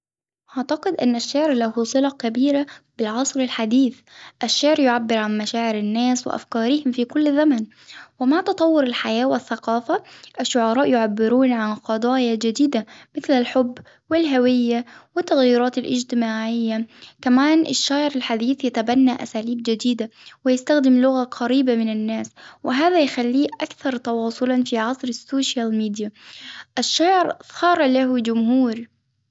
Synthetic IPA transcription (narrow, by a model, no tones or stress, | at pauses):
ʔaʕt̪aqɪd̪ʔɪnːaʃːaʕɾlahusˤɨlɑkabiːɾab̥ɪlʕɑsˤɾɪlħad̪iːθ | ʔaʃːaʕɾjʊʕabːɪɾʕanmaʃaːʕɪɾɪnːaːswɪ̰ʔa̰fkɑːɾɪhɪmfiːkʊlːzaman | wɪmaʕt̪ɑt̪ˤɑwːʊɾɪlħajaːwɪθːaqɑːfaʔaʃːʊʕɑɾˤɑːʔjʊʕabːɪɾuːnʕanqɑd̪ˤɑːjad͡ʒɪd̪iːd̪amɪθlalħʊbː | wɪlɦawɪjːawɪt̪ːaɣjiːɾɑːt̪alʔɪ̰d͡ʒt̪ɪmaːʕɪjːakamaːnʔaʃːaːʕɪɾalħad̪iːθjat̪abanːaʔa̰saːliːb̚d͡ʒɪd̪iːd̪awɪjast̪axd̪ɪmlʊɣaqʰɑɾiːbamɪnanːaːswɪɦaːðajxalːiːʔakθɑɾˤt̪ɑwɑːsˤʊlɑnfiʕɑsˤɾɪsːoːʃjalmiːd̪jaʔaʃːaːʕɪɾˤɑːɾˤlahd͡ʒʊmhuːɾ